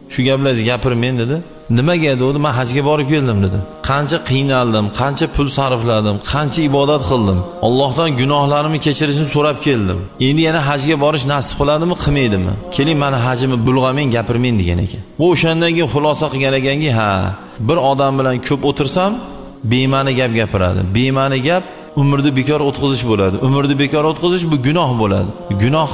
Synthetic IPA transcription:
ʃʊɡʲaplasɡʲapɪɾme̞nd̪ed̪ɪ | nɪmaɡʲad̪ɪod̪ɪmanɦad͡ʒɡʲabɒɾɪp̚kʲʰe̞ld̪ɪmd̪ed̪ɪqʰɑnt͡ʃʰaqʰɨjnalˠd̪ɪmqʰɑnt͡ʃʰapʰʊlˠsaɾflad̪ɪmqʰɑnt͡ʃʰaɪbɒd̪at̪qʰɨlˠd̪ɪmɒlˠːɒhd̪ɒnɡʊnɒhlaɾɪmɪkʲʰe̞t͡ʃʰɪɾɪʃ̬nɪsoɾapkʲʰe̞ld̪ɪ̰me̞nd̪ɪjanaɦad͡ʒɡʲabɒɾɪʃnasɪ̥pqʰɨlˠad̪ɪmɪqʰɨmejd̪ɪmɪ̰kʲʰe̞lɪŋmanɪɦad͡ʒɪmɪbʊlˠʁɑmenɡʲapʰɪɾmend̪eɡʲa̰nḛkʲʰanvʊoʃand̪ankʲʰejχʊlˠɒsaqɨɡʲaneɡʲaŋɡʲɪɦa | bɪɾɒd̪ambɪlankʲʰɵpot̪ʰɪɾsam | bemanɪɡʲapɡʲapʰɪɾa̰d̪ɪ̰be̞manɪɡʲap̚ | ʊmɪɾd̪abekʲʰɒɾaot̪̚qʰɨzɪʃbolad̪ɪʔʊmɪɾd̪ɪbekʰʲɒɾot̪̚qʰɨzɪʃbʊɡʊnɒhbola̰d̪ɪɡʊnɒh

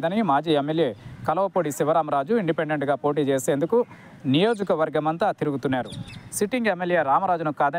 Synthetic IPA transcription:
d̪ɐnimaːd͡ʒiːemːeljeːkɐlɐʋɐpoːɽisiʋɐɾaːmɐɾaːd͡ʒuiɳɖipeɳɖeɳʈɡaːpo̞ːʈ̬iːt͡ʃeːse̞ːnd̪uku | nijo̞ːd͡ʒɐkɐʋɐɾɡɐmɐnt̪ɐt̪iɾuɡut̪unːaːɾusiʈiŋɡemːeljeːɾaːmɐɾaːd͡ʒunukaːd̪ɐ

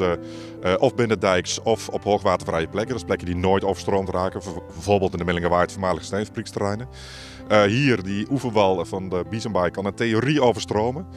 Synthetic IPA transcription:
ə | ʔɔfbɪnədɛjksɔfɔphoːxʋaːtəvrɛjəplɛkədɔsplɛkjədinoːjtoːvərstroːmtraːkəvolˠbəlˠtɪndəmɪlɪŋəʋaːɹtfɔmaːləxəstɛjnfabrikstərɛjnə | əhiːərdiʔuvəʋɑlˠfɔndəbizəmbajkʰːɔnənteorioːvərstroːmə

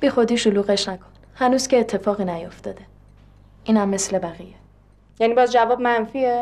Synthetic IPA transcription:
b̥iːxod̪iːʃoluːɣe̞ʃnækʰo̞̥n | hænuːz̥cʰeːt̪ʰːe̞fɒːɣiːnæjo̞ft̪ʰɒ̰ːd̪e̞ | ʔiːnhæmːe̞sle̞bæɣije | jæniːbɒːzd͡ʒævɒːb̚mænfie

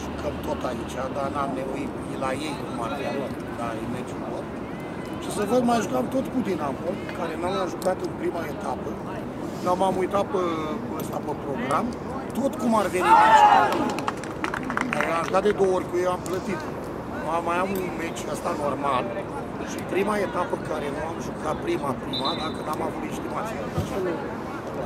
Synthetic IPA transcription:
ʒukəmt̪o̞t̪ait͡ʃad̪anamneuit̪ilajejkumarfialt̪ | laimet͡ʃulor | ʃisəvəkmajʒukamt̪o̞t̪kud̪inapolɨkaɾe̞namamʒukat̪ɨnpɾimae̞t̪apə | namamujt̪apə | əst̪apəpɾo̞ɡɾam | t̪o̞t̪kumarveniaʃt̪a | amʒukat̪d̪e̞d̪o̞ooɾʲkujewamplət̪it̪ | nuamajamunmet͡ʃʲəst̪ano̞rmal | ʃipɾimae̞t̪apəkaɾe̞nuamʒukat̪̚pɾimapɾimad̪akənamavut̪inst̪imat̪siunat̪at͡ʃeloku

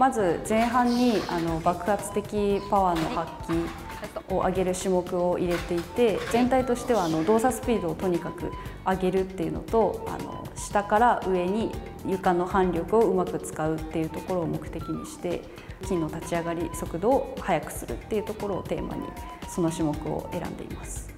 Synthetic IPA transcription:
mazɨzẽ̞ɰ̃ɦãɲ̟ːiano̞bakɯ̟hat͡sɨ̥t̪e̞kʲipaβaːno̞hakʲːi | o̞ʔa̰ɡe̞ɾɯ̟ɕimo̞kɯ̟o̞ʔiɾe̞t̪e̞it̪e̞zẽ̞nt̪ait̪o̞ɕi̥t̪e̞βaːno̞d̪o̞ːsasɨ̥pʲiːd̪o̞ːt̪o̞ɲ̟ikakɯ̟̰aɡe̞ɾɯ̟t̪ːe̞jɯ̟no̞̰t̪o̞a̰no̞̰ | ɕi̥t̪akaɾaʔɯ̟e̞ɲ̟i | jɯ̟kano̞hãnɾʲo̞kɯ̟o̞ɯ̟makɯ̟t͡sɨ̥kaɯ̟t̪ːe̞jɯ̟t̪o̞ko̞ɾo̞ːmo̞kɯ̟̥t̪e̞kʲiɲ̟ḭɕi̥t̪e̞ | kʲĩnːo̞t̪at͡ɕiaɡaɾʲiso̞kɯ̟d̪o̞ːhajakɯ̟̥sɨɾɯ̰t̪ːe̞iɯ̟t̪o̞ko̞ɾo̞̰ːt̪e̞ːma̰ɲ̟ḭ | so̞no̞ɕimo̞kɯ̟o̰ʔe̞ɾã̰nd̪e̞ḭmasɨ̥

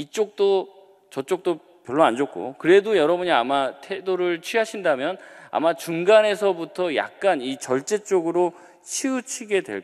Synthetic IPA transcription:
it͡ɕ͈ok̚t͈o | t͡ɕʌt͡ɕ͈ok̚t͈o | pjʌɭːoand͡ʑʌk̚k͈o̰kɯɾe̞dojʌɾʌbuɲiamatʰedoɾɯɭt͡ɕʰɥiɦaɕʰindamjʌna̰mat͡ɕuŋɡane̞sʰʌbutʰʌja̰k̚k͈anit͡ɕʌɭt͡ɕ͈e̞t͡ɕ͈oɡɯɾo | t͡ɕʰiut͡ɕʰiɡe̞dwḛ

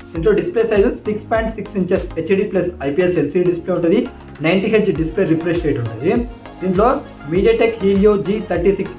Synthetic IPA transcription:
d̥̪iɳʈloɖisplesɐjdusikspajɳʈsiksiɲt͡ʃɐɾset͡ʃɖiːplɐsɐjpieselsiːiɖispleːuɳʈɐd̪i | nɐjɳʈiɦed͡ʒɖispleːɾipɾest͡ʃejʈuɳʈund̪i | d̪iːɳʈloː | miːɖijaːʈekɦiːlijoːd͡ʒiːt̪ʰɐɾʈiːsiks

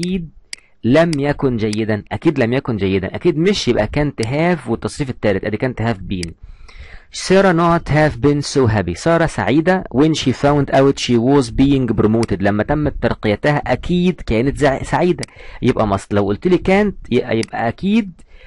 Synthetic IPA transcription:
iːd̪̚ | læmjækond͡ʒæjːed̪ænʔækiːd̪læmjækond͡ʒæjːed̪æ̰nʔækiːd̪meʃjebʔækæːnt̪ːeɦæːfwet̪ːɑsˤːiːfet̪ːæːɾet̪ʔæd̪iːkæːnt̪ːhæːfbiːn | sˤeːɾˤɑnot̪hæːfbeːnsowɦæbisˤɑːɾˤɑsa̰ʕiːd̪æwenʃifæwnd̪ʔæwet̪ʃiːwoːzbiːjeŋɡbɾomoːt̪ed̪læmːæt̪æmːæt̪ːɑɾqejæt̪æhæʔækʰiːd̪kæːnet̪zsaʕiːd̪æjebʔæmɑsˤt̪ˤlæwʔolt̪liːkæːnt̪jebʔæ̰jebʔæ̰ʔækiːd̪̚

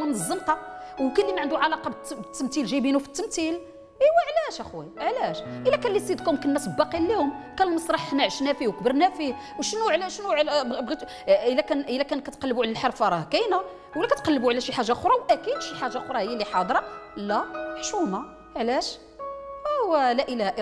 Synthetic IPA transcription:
æmnəzˤːəmq̪ɑwkænlːimaʕənd̪uʕalɑqɑbbət̪ːəmt̪ilʒibinufə̥t̪ːəmt̪il | hwæʕlæʃæxwiʕlæʃʔəlːækænlːisˤid̪kʊmkənːæsbbɑqilːihʊmkænlmsˤɾˤɑħnæʕʃnæfiwkbəɾnæfi | wʃnuʕlæʃnuʕlbbi | əlækænʔəlːækænkæt̪qɑlːəbuʕlælħɑɾˤfɑɾˤɑkæjnæ | wlækæt̪qɑlːəbuʕlæʃiħaʒːaxɾˤɑwʔækid̪ʃiħaʒːaxoɾˤɑhəjːæliħɑd̪ˤɾˤɑlːæmħʃumɑ | ʕlæʃ | æwlæʔəlæhæʔ

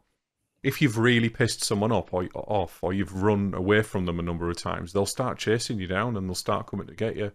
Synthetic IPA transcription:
ɪfjɨvɹɪːlˠipʰɪstsʊ̃mwɒ̃ñʌpʰə̰ʔɔfəjɨvɹʊ̃nə̰weɪfɹə̃mðə̃mənʊ̃mbəɹəv̥tʰã̰ɪ̃mzðeɪlˠstɑɹʔ̚t͡ʃʰeɪsɪ̃ŋjɨdãʊ̃nə̃nðeɪlˠstɑ̰ɹʔkʰʊ̃mɪ̃ŋtʰəɡɛʔə

